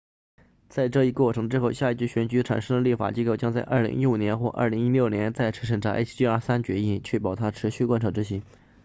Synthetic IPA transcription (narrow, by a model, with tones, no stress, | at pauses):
t͡sa˥˧ɪʈ͡ʂɤ˥˧i˥˩kwɔ˥˩ʈ͡ʂʰɤ˧˥ŋʈ͡ʂɻ̩˥xʊɕja˥˧i˧˩t͡ɕy˥˩ɕɥɛ˧˥nt͡ɕy˧˥ʈ͡ʂʰa̰˨˩nʂɤ˥ŋd̪ə˨li˥˩fa̰˨˩t͡ɕi˥ko˥˩ʊt͡ɕjɑ˥ŋt͡sa˥˧ɪʔɐ̰˞˥˩lḭ˧˥ŋʔi˥˩wu˨˩njɛ˧˥nxwɔ˥˧ʔə̰˥˩li˧˥ŋi˥ljo˥˩ʊnjɛ˧˥nt͡sa˥˩ɪʈ͡ʂʰɤ˧˥ʂ̬ə˨˩ŋʈ͡ʂa˧˥ʔḛ˥t̪i˥ə˞˥˧˩sa˥nt͡ɕɥɛ˧˥i˥˩nt͡ɕʰɛ˥˩p̬ɑ˨˩ʊt̪ʰa˥ʈ͡ʂʰɻ̩˧˥ɕy˥˩kwa˥nʈ͡ʂʰɑ˧˩ʈ͡ʂɻ̩˥ɕi˧˥ŋ